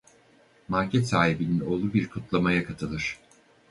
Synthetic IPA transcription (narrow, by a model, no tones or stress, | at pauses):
maɾcʰɛt̪saːɦibinino̞ːlˠubiɾkʰut̪lˠamajakʰat̪ʰɯlˠɯɾ̥